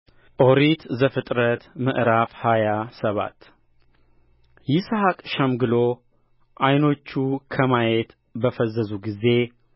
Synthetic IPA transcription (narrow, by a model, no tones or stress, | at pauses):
ʔo̞ɾit̪zəfɨt̪ʼɾət̪məʔɾafhajasəβa̰t̪ː | jɪshakʼʃəmɡɨlo | ʔajno̞t͡ʃːukʰəmajet̪ | bəfəzːəzuɡize̞